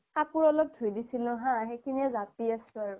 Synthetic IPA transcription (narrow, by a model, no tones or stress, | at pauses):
apuɹɔlɔk̚dʱujdisilʊ̃ɦãxekʰiniɛzatiasʊ̃aɹʊ